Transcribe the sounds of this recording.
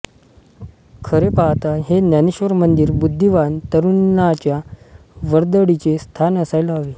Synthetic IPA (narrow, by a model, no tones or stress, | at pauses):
kʰəɾepaɦt̪aɦenjaneɕʋəɾmənd̪iɾbud̪ʱːiʋant̪əɾunːat͡ɕjaʋəɾd̪ɽit͡sest̪ʰanəsajlaɦaʋe